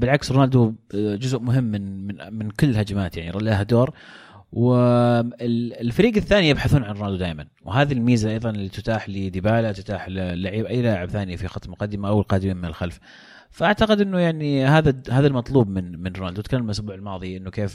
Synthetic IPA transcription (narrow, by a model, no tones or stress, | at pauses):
bɪlʕaksɾnaːld̪ud͡ʒʊzʔmʊɦɪmːɪnɪnmɪnkʊlːɪlhad͡ʒamaːt̪jaʕniɾˤɑlːahad̪oːɾ | wɪɪlɪlfaɾiːɡaθːaːnijɪbħaθuːnʕanrnaːld̪ud̪aːʔmanwɦaːðilmiːzaʔɑjðˤɑnɪlːit̪ʊt̪aːħlid̪ɪbaːlat̪ʊ̥t̪aːħlːaʕiːbʔajːlaːʕɪbθaːnɪjafixɑt̪ˤmqɑd̪ːɪmaʔawɪlqɑːd̪ɪmiːmɪnɪlxalf | faʔaʕt̪aqɪd̪ʔɪnːʊjaʕnihaːðahaːðalmɑt̪ˤluːbmɪnmɪnrʊnaːld̪ut̪kalːmʔasbuːʕɪlmɑːðˤiʔɪnːʊkeːf